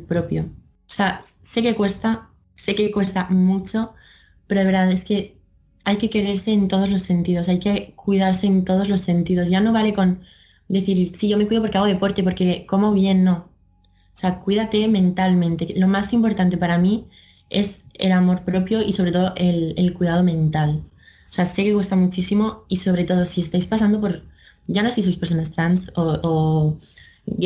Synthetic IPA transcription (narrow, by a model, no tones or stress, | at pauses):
pɾo̞pjo | sease̞ke̞kwe̞st̪a | se̞kekwe̞st̪amut͡ʃo̞ | pe̞ɾoðeβeɾðaðe̞ske̞ | ajke̞ke̞ɾe̞ɾse̞ːnt̪o̞ð̞o̞zlo̞sːe̞nt̪ið̞osajke̞kwið̞aɾse̞ːnt̪o̞ð̞o̞zlo̞sːe̞nt̪ið̞o̞sʝano̞βale̞ko̞n | d̪e̞θiɾsiʝo̞mekwiðo̞poɾkeaɣ̞o̞ð̞e̞po̞ɾt̪e̞po̞ɾke̞ko̞mo̞βje̞nːo̞ | seakwiðat̪e̞mẽ̞nt̪almẽnt̪e̞lo̞masimpo̞ɾt̪ant̪epaɾami | e̞̰selamo̞ɾpɾo̞pjo̞iso̞βɾet̪o̞ðoʔelelkwiðað̞o̞mẽ̞nt̪al | osease̞keɣust̪amut͡ʃisimo̞iso̞β̞ɾe̞t̪o̞ð̞o̞sie̞st̪ajspas̬and̪o̞po̞ɾ | ʝano̞sejs̬uspeɾs̬onast̪ɾansoo